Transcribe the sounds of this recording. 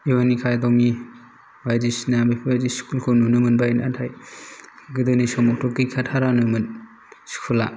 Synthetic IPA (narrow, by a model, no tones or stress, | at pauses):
iwanikʰajdɔmi | bajdisinabepʰibajdisi̥kʰulkʰɔnunɯmɯnbajnatʰaj | ɡɯdɯnisɔmɔk̚tʰɔkːijkʰatʰaɾanɯmɯn | si̥kʰula